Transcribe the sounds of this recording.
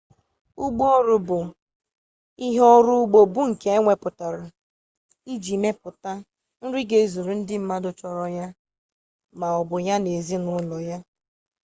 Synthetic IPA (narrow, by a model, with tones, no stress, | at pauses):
u˦ɡ͡bɔ˦ɾʊ˨bʊ˨ | i˦ɦɔ˦ɾʊ˦ɡ͡bo˨bʊ˦ŋ̩˨ke˨e˦ŋʷe˨pʊ˨ta˨ɾʊ˨ | i˦d͡ʒi˨me˦pʊ˨ta˦ | n̩˦ɾɪ˦ɡe˨˦zu˨ɾu˨n̩˦dɪ˦m̩˦ma˦dʊ˦t͡ʃɔ˨ɾɔ˨ja˦ | ma˨ɔ˨bʊ˨ja˦ne˨zi˦nʊ˦lɔ˨ja˦